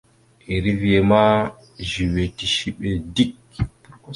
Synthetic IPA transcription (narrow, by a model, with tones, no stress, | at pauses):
ʔe˨ɾi˦vi˨e˨ma˦ | ʒi˨we˨ti˨ʃi˦ɓe˨di˦k̚